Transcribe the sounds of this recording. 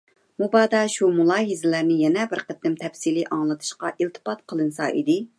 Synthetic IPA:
mubɑːd̪ɑʃumulˠɑːɦizɪlæɾnɪjɛnɛbɪɾqʰət̪ːɪmt̪ʰɛfsilɨʔɑŋlˠɨt̪ʰɨ̥ʃqɑʔilt̪ʰɨ̥pɑt̪̚qʰəlˠɨnsɑ̰ʔid̪ɪ

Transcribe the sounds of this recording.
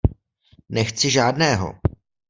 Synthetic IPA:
nɛxt͡sɪʒaːdnɛːɦo̰

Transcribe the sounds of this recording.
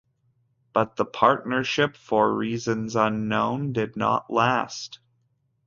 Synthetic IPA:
b̥ʌt̪̚ðəpʰɑɹtⁿnə˞ʃɪpfə˞ɹizɨ̃nzʌ̃nːõʊ̃ndɪdⁿnə̰ʔlæst

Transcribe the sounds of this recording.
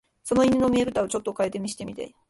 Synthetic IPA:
so̞no̞inʲinomʲieɾɯ̟t̪aot͡ɕo̞t̪ːo̞kaet̪e̞mʲiɕi̥t̪e̞mʲit̪a̰i

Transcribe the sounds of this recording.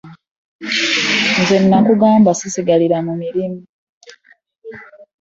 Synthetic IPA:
nzenːakuɡaːmbasisiɡaliɾamumiɾimu

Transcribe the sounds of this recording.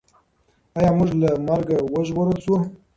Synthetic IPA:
ajɑmuʒlamaɾɡawəʒɣoɾəlsu

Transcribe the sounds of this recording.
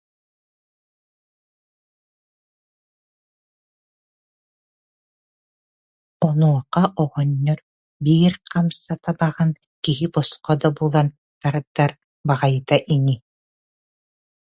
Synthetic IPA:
ɔnuɔqaʔɔʁɔɲːɔɾ | biːɾqʰamsat̪abaʁan | kiɦibɔsqɔd̪abuːlˠan | t̪aɾad̪ːaɾ | baʁajt̪aʔiŋi

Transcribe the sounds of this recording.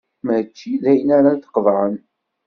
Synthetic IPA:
mæt͡ʃːilæjənaɾaθə̥qvʕən

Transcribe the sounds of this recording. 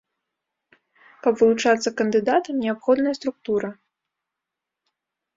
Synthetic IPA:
kɐpvɨlˠut͡ʂat̪sːɐkɐnd̪ɨd̪at̪ɐmnʲɛapxɔd̪nɐjɐst̪ɾuk̚t̪uɾɐ

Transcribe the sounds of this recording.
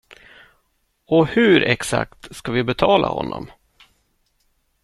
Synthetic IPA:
ɔhɵɾɛksa̰k̚t̪skavɪbɛt̪ʰɑːlʔahɔnːɔ̰m

